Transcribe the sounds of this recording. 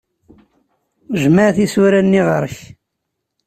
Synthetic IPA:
ʒmaʕθisuɾænːiʁəɾˤç

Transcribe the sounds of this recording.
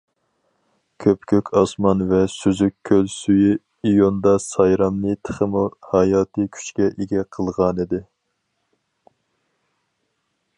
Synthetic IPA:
kʲʰøpkʲʰøkʲʰɑsmɑnvɛsyzykʲʰːølsyji | ijond̪ɑsɑjɾɑmnɨt̪ʰə̥χəmuhɑjɑːt̪ʰɨkʲʰy̥t͡ʃkʲɛʔeɡʲɛqʰəlˠʁɑnid̪ɪ

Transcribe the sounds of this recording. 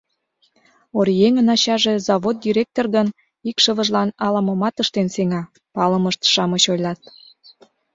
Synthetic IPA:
oɾjeŋənɑɕɑʒezɑβod̪̚d̪ʲiɾʲek̚t̪orɡən | ikʃəβə̆ʒlɑnɑlɑməmɑt̪əʃt̪enseŋɑ | pɑləməʃt̪ʃɑməɕojlɑt̪

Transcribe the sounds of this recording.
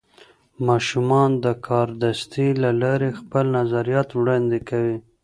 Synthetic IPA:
mɑʃumɑnd̪əkʰɑɾd̪ast̪ilalɑɾexpəlnazaɾijɑt̪wɽɑnd̪ekawi

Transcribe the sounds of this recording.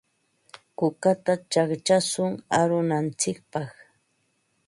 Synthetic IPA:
kʊkat̪at͡ʃakt͡ʃasʊŋaɾʊnant͡sɪk̚pɑχ

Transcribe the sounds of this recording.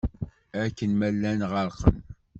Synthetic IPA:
ækːənmælːænʁəɾˤqə̰n

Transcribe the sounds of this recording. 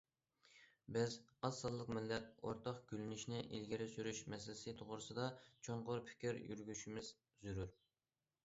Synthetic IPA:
bɪzɑzɑlˠːəqmɪlːɛt̪̚o̰ɾt̪ʰɑχɡ̥ʲylynyʃnɪʔḭlɡʲiɾɪsyɾyʃmɛsɪlɪ̥sɨt̪ʰoʁɾɨsɨd̪ɑt͡ʃʰoɴqʊɾpʰɪ̥kʲiɾjy̰ɾɡʲyʃimɪz̥ | zyɾyɾ

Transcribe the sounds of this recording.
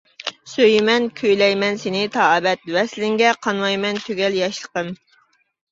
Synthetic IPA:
søjmɛnkʲʰøjlɛjmɛnsenɪt̪ʰɑːbɛt̪̚vɛslɪŋɡʲɛqʰɑnwɑjmɛnt̪ʰøɡʲɛljɑʃlˠə̥qəm

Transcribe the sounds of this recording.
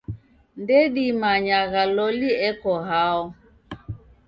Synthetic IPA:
ndɛɗimaɲaɣalɔliɛkɔɦaɔ

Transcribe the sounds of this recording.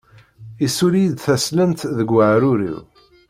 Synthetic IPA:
isuɾijd̪θæslənt̪ðəɡːəʕɾʊɾḭw

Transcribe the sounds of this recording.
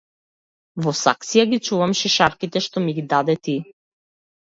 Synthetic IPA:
vɔsa̰k̚t̪sijaɡit͡ʃuvamʃiʃaɾkit̪ɛʃt̪ɔmiɡid̪ad̪ɛt̪i

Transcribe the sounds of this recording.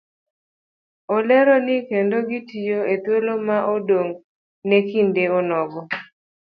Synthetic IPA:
olɛɾɔnɪkendoɡitijoet̪wolomaʔodoŋ | nekindeɔnɔɡɔ

